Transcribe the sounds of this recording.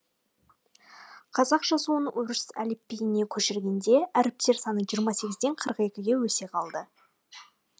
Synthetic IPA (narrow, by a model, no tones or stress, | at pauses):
qʰɑzɑqʒ̥ɑsuənwʊɾəsæ̰lepːeɡʲɪne̞kʲʰɵʃɪɾɡʲe̞nd̪e̞æɾɪp̚seɾsɑnəɴʒijəɾmɑse̞ɡʲɪzd̪e̞ɴqʰəɾəqe̞kʲɪɡʲe̞wɵse̞qʰɑlˠd̪ə